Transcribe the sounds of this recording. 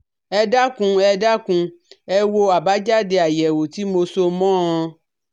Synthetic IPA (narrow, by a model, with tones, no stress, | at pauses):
ɛ˧da˦kũ˧ɛ˧da˦kũ˧ɛ˧wo˧a˨ba˦d͡ʒa˦de˨a˨jɛ˨wo˨t̪i˦mo˧so˧mɔ̃˦ɔ̃˧